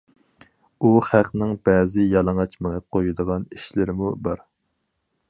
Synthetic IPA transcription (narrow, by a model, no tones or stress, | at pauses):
uχæqnɪŋb̥ɛːzɪjɑlˠɑŋɑt͡ʃmeŋɛp̚qʰojud̪əʁɑniʃlɪɾmubɑɾ